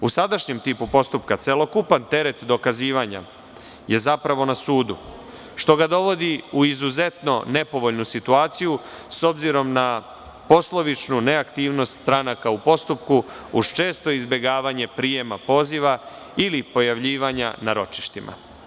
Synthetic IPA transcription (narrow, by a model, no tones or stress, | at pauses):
usad̪aʃɲe̞mt̪iːpupo̞st̪upkat̪se̞lo̞kupant̪e̞ɾe̞t̪d̪o̞kaziːʋaɲa̰ | je̞zapɾaʋo̞nasuːd̪u | ʃt̪o̞ɡad̪o̞ʋo̞d̪iuizuze̞t̪no̞ne̞po̞ʋo̞ʎnusit̪uaːt̪siju | so̞bziɾo̞mna | po̞slˠo̞ʋit͡ʃnuneakt̪iːʋno̞st̪st̪ɾanakaupo̞st̪upku | uʃt͡ʃe̞ːst̪o̞izbʲje̞ɡaːʋaɲe̞pɾije̞mapo̞ːziʋa | ilipo̞jaʋʎiːʋaɲa̰naɾo̞t͡ʃi̥ʃt̪imʔa̰